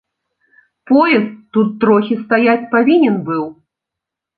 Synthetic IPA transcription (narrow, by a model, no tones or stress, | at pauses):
pɔjɛst̪ːut̪ːɾɔxʲist̪ajat͡sʲpavʲinʲɛnbɨw